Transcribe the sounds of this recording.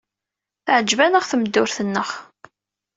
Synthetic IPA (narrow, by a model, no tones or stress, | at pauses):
θʕəd͡ʒːvænəʁθəməd̪ːʊɾθənːəʁ